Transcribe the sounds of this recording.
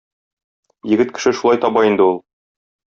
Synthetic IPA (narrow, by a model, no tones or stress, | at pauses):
jɘ̆ɡɘt̪̚kɘ̥̆ʃɘʃulˠɑjt̪ɒbɑind̪ɘulˠ